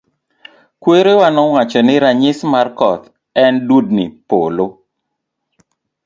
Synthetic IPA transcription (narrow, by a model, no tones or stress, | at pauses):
kweɾewanɔŋwat͡ʃɔnɪɾaɲɪsmarkɔt̪ | ɛndud̚nḭpolo